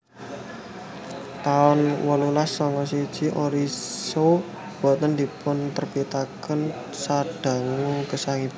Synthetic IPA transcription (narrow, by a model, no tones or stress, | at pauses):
t̪aʊnwɔlulasɔŋkɔsid̥ʒ̥i̤ʔoɾiso | b̥ɔ̤t̪ənd̪i̤pʊnt̪ərpit̪akən | saɖ̥a̤ŋukəsaŋib